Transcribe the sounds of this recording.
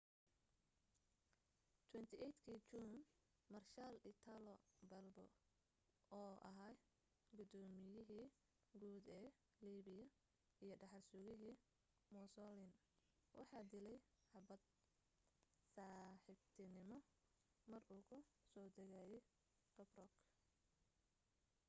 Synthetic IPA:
t̪ʰwɛnt̪ʰɪʔɛjt̪kʰit͡ʃuːn | mɐrʃaːlɪt̪ʰalɔbɐlbɔ̰ | ɔːʔɐ̰ɦaː | ɡʊd̪ɔːmɪjɪɦiː | ɡuːd̪ɛː | liːβɪjɐ | ijɞɖɑħɑrsʊɣɪɦiː | mɔsɔlɪn | wʔɑ̰ħɑːd̪ɪlɛj | hɐbɐd̪̚ | saːħɪbt̪ʰɪnɪmɔ | mɐruːkʰʊsɔːd̪ɛɣaːjɛj | d̪̥ɐbrɔk

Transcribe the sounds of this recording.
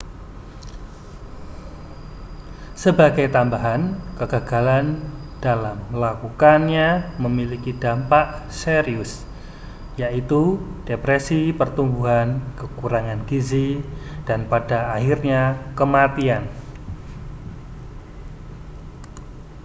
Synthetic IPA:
səbaɡajt̪ambaɦankəɡ̥aɡ̥aland̥alamlakukanɲaməmilikidampaʔseɾiʊs | jaʔit̪ud̥epɾesipərt̪umbuɦankəkuɾaŋanɡizid̥anpadaːɦirɲakəmat̪ian

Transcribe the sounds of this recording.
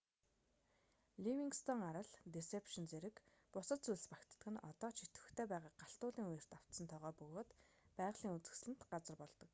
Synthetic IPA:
ɮiwiŋkst̪ʰɔŋaɾə̆ɮt̪esepʃɪ̆nt͡seɾɘ̆k | pʊsə̆t̪t͡sujɮspakt̪ə̆ɡɘ̆nɔ̰t̪ɔːt͡ɕʰit̪ɘ̆xt̪ʰeːpæːʁaːk̚ɢaɬt̪ʊːɮiːŋujɪ̆r̥t̪aw̥t̪sə̆nt̪ʰɔʁœːpɵɣoːt̪pæːʁɮ̥iːŋut͡sɘ̆xsɮɘ̆nt̪ɢat͡sə̆rpɔɮt̪ɞ̆k

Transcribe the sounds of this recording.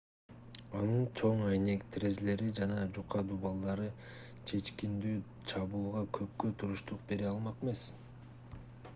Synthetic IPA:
ɑnɯnt͡ʃʰo̞ɴɑjne̞kt̪re̞zle̞ɾid͡ʒɑnɑd͡ʒuqɑd̪ubɑlˠd̪ɑɾɯ | t͡ʃʰe̞t͡ʃkind̪yː | t͡ʃʰɑβuːlˠʁɑkʰø̞p̚køt̪ʰuɾuʃt̪uq̚be̞ɾeɑlˠmɑqeme̞s

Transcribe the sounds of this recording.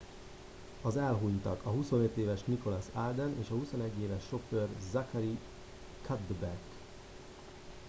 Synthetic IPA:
ɒzɛlɦuɲt̪ɒ̰kɒɦuso̞net̪ːeːvɛʃmiko̞lasald̪ɛnḛːʃɒhuso̞nɛɟːeːvɛʃːo̞førzɑkɛɾi | kʰad̪bɛk

